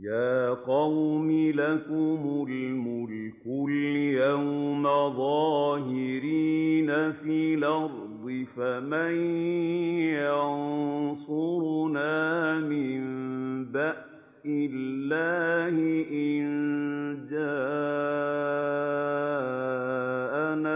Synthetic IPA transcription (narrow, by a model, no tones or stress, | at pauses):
jaːqɑwmɪlakʊmʊlmʊlkʊljawmaðˤɑːɦɪɾiːnafiːlɑɾ | d̪ˤɨfamaj | jɑnsʊɾnaːmɪmbaʔ | sɪlːaːhɪʔɪnd͡ʒaː | ʔana